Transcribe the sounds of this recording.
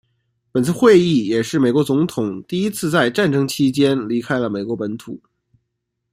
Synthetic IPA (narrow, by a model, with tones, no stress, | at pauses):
pə˨˩nt͡sʰɹ̩˥˧xwe˥˧ɪi˥˩jɛ˨˩ʂɻ̩˥˩me˨˩kwɔ˧˥t͡sʊ˧˥ŋt̪ʰʊ˨˩ŋt̪i˥˧i˥t͡sʰɹ̩˥˧t͡sa˥˧ɪʈ͡ʂa˥˩nʈ͡ʂɤ˥ŋt͡ɕʰi˥t͡ɕjɛ˥nli˧˥kʰa˥ɪlə˨me˨˩ɪkwɔ˧˥pə˧˥nt̪ʰu˨˩˦